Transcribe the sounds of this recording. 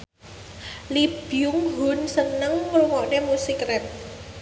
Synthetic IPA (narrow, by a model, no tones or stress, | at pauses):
lib̥ijʊŋɦunsənəŋːɾuŋɔʔnemusikrɛp̚